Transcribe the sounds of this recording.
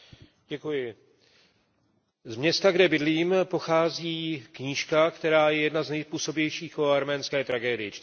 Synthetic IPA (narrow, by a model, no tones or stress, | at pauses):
ɟɛkujɪ | zmɲɛst̪aɡdɛbɪdliːmpo̞xaːziːkɲiːʃkakt̪ɛɾaːjɛjɛdnaznɛjspuːso̞bjɛjʃiːxoaɾmɛːnskɛːt̪ɾaɡɛːdɪjɪt͡ʃ